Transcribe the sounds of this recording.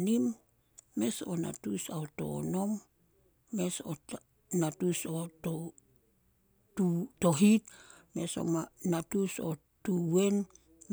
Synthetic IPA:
nimː | e̞sona̰tusaoto̰ːno̞mː | e̞so̰ | natusoto | tutoɦit̚me̞so̞̰manatuso | tuwe̞n | m

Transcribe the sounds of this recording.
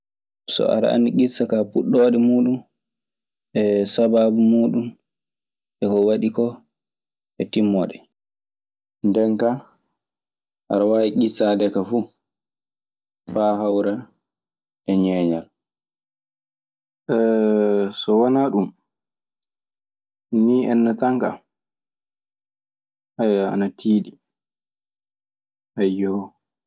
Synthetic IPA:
sɔ̰a̰ɾa̰a̰ndiɡisːakapuɗːɔːɗɛmuːɗum | ʔɛsababumuːɗum | ɛkɔwaɗikɔ | ʔɛtimːɔɗɛ | ndɛŋka | ʔa̰ɾawaːiɡisadɛkafu | faɦawɾa | ʔɛɲɛːɲal | ɛ | sɔwanaɗum | niɛnːataŋka̰ | ʔajaa̰natʰiːɗi | ʔajɔ

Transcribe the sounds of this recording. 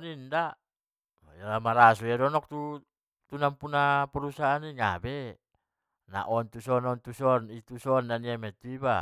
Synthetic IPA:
ninda | jalamaɾasujadɔnɔk̚t̪u | t̪unampunapɛɾusaaniŋa̰bɛ | na̰ʔɔnt̪usɔnɔnt̪usɔnit̪usɔndaniamɛt̪uiba

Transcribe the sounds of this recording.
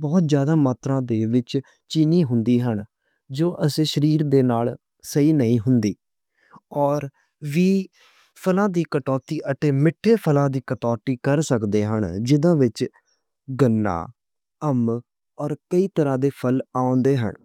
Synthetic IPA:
bɔːt̪zjaːd̪aːmaːt̪ɾãːd̪eːʋɪt͡ʃ | t͡ʃiːniːɦʊnd̪iːɦəɳ | d͡ʒoːʔəsẽːʃəɾiːɾd̪eːnaːl | səiːnəĩːɦʊnd̪iː | ɔːɾ | ʋiː | pʰəlãːd̪iːkəʈɔːt̪iːʔəʈ̪eːmɪʈʰːeːpʰəlãːd̪iːkəʈɔːʈ̪iːkəɾsəkd̪eːɦəɳd͡ʒɪd̪ãːʋɪt͡ʃ | ɡənːa̰ː | əm | ɔːɾkəiːt̪əɾãːd̪eːpʰəlaːõːnd̪eːɦə̰ɳ

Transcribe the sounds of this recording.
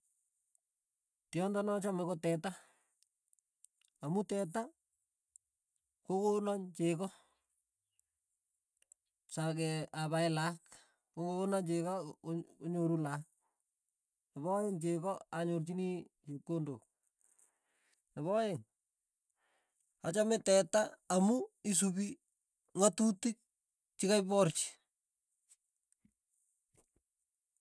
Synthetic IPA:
tjɔndɔnɔt͡ʃamɛkotɛta | amutɛt̬a | kokonaɲt͡ʃekɔ | sakɛaβaɪlak | kokonat͡ʃekaoɲoɾulak̚ | nɪβɔjeŋt͡ʃekɔaɲort͡ʃinit͡ʃekːondo̰k̚ | nɪβɔjeŋ | at͡ʃamɪtɛtaːmuis̬ubi | ŋatutik̚ | t͡ʃɪkaɪpɔrt͡ʃi̥

